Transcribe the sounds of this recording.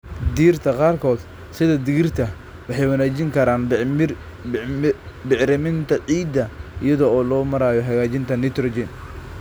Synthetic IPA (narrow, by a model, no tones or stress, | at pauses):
d̪iːrt̪ʰɐqɑːrkʰɔːd̪ | sɪðɐd̪ɪɣɪrt̪ʰɐ | wɑħɑjwɐnaːt͡ʃɪŋkʰɐɾaːn | bɪʕɾɪmɪnt̪ʰɐʕiːd̪ɐɪjɐðɔɔːlɔːmɐɾaːjɔɦɐɣaːt͡ʃɪnt̪ʰɐnɪt̪ʰɾɔd͡ʒɪn